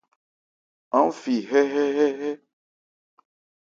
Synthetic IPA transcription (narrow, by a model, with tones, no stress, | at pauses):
ã˦fi˨ɦɛ˦ɦɛ˦ɦɛ˦ɦɛ˦